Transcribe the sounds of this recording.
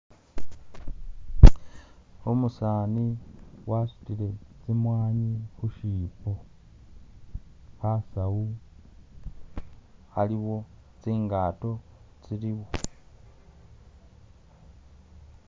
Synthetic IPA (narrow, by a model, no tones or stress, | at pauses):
umusaːniwasu̥tiɾe̞t͡simwaːɲixuʃiːpo | hasau | haliwo̞t͡siːŋɡaːto̞ | t͡siɾiβo